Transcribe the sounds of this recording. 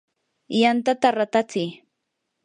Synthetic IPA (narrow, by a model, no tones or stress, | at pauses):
jant̪at̪aɾat̪at͡sɪj